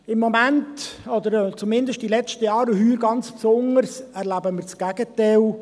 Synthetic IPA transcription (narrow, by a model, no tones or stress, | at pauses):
ɪmːɔmæntɔd̪əɾt͡sumɪndəʃtdilɛt͡stəjɑːɾəhyːɾɡɑnt͡spsʊnərsɛɾlæbəmɪːɾt͡sɡ̥æɡ̥ətɛl